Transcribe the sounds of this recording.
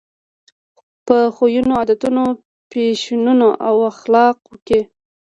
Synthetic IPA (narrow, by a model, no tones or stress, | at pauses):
pəxojunoɑd̪at̪uno | peʃinunoʔawaxlɑqwəke